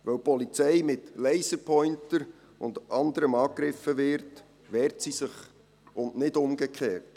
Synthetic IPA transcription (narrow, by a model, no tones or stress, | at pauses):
ʋœwpʰɔlit͡sɛɪmɪtlɛɪsəpʰɔʏntəɾ | ʊndʔɑndəɾəmɑːkɾɪfːəʋɪɾt | ʋɛːɾtsisɪχ | ʊnnɪdʊmɡ̥əkχeːrt